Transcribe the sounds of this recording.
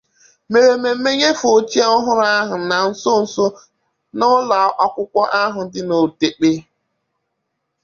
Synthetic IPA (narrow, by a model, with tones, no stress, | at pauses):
me˨ɾe˨me˨˦me˦ɲe˦fo˨t͡ʃi˦a˦ɔ˦ɦʊ˦ɾa˦ɦʊ˨na˨n̩˦sʊ˦n̩˨sʊ˦ | nʊ˦la˨˦ʔɔ˦kʷʊ˦kʷɔ˦ʔa˦ɦʊ˨dɪ˦no˨te˨k͡pe˦